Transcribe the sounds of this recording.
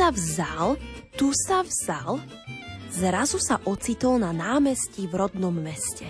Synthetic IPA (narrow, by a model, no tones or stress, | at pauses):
avzalt̪usavz̥al | zɾazusaʔɔt͡sit̪ɔlnanaːmɛscivɾɔd̪nɔmːɛscɛ